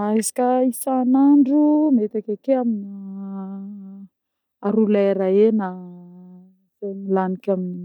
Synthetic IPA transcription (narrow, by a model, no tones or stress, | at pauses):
ezi̥kʲaisanaɳɖ͡ʐumet̪akakeamina | aɾuleɾaena | z̥emilanikʲamini